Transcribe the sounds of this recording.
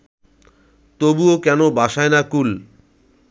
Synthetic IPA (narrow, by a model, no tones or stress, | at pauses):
t̪obuokɛnobaʃaenakul